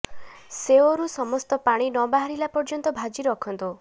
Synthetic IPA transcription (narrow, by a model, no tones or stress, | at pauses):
seoɾusɔmɔst̪ɔpaɽ̃inɔbaɦaɾilapɔɾd͡ʒɔnt̪ɔbʱad͡ʒiɾɔkʰɔnt̪u